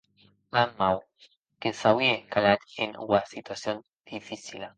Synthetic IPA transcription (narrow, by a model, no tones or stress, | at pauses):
mammaw | kesawjekalat̪ḛnwasit̪wasjon | d̪̥ifisila